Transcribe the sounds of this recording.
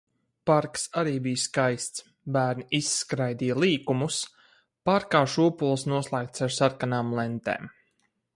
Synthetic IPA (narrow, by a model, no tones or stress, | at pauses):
paɾksaɾiːbijskajst̪s | bæːɾnʲiisːkɾajd̪ijalˠiːkumus | paɾkaːʃuɔpulˠsnuɔslˠaːk̚t̪saɾsaɾkanaːmlˠɛnt̪ḛːm